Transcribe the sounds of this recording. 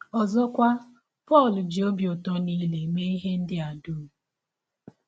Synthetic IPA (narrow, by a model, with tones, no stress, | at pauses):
ɔ˨zɔ˦kʷa˦ | pɔ˦˨ld͡ʒi˨o˦bjʊ˨tɔ˦ni˦le˨me˦i˦ɦe˦n̩˦dɪ˦a˨duː˦˨